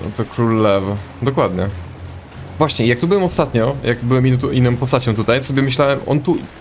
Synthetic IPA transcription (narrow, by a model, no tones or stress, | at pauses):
t̪ɔkɾulːɛv | d̪ɔkwad̪ɲɛ | vwaɕɲɛijak̚t̪ubɘwɛmɔst̪at̪ɲɔjʔakbɘwɛmit̪uʔinːɔ̃mpɔst̪at͡ɕɔ̃w̃t̪ut̪ajt̪ɔsɔbʲjɛmɘɕlawɛmɔ̰nt̪u